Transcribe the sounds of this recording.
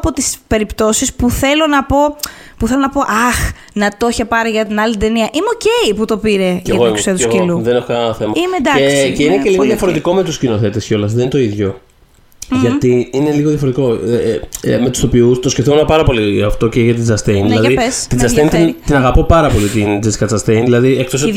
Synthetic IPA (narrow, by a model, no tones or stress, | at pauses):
ɐpo̞t̪ispe̞ɾipt̪o̞sispuθe̞lo̞nɐpo̞ | puθe̞lonɐpo̞ʔɐx | nɐt̪oçepɐɾiʝɐt̪inɐlit̪e̞niɐʔimeo̞ceiput̪o̞piɾe̞ʝɐtɣoksseɐt̪uskiluðenexokɐnɐnɐθemɐimed̪ɐesceineceliɣoðjɐfo̞ɾet̪iko̞me̞t̪uscino̞θe̞t̪esco̞lɐsðennt̪o̞iðʝo̞ | ʝɐt̪iine̞liɣoðjɐfoɾt̪iko̞ | me̞t̪u̥st̪o̞piust̪o̞scefθomnɐpɐɾɐpo̞liɐft̪o̞ceʝɐt̪id͡zɐst̪ejnðilɐðiest̪izɐsejnt̪nt̪inɐɣɐpo̞pɐɾɐpo̞lit̪ind͡zeskɐt͡sɐst̪ejnðilɐðiekt̪os̬